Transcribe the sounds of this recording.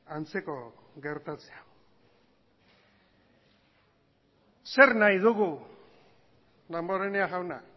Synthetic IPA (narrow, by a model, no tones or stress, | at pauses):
ant͡se̞ko̞ | ɣe̞ɾt̪at͡seaw | se̞ɾnajð̞uɣu | d̪amboɾeneaɣawna̰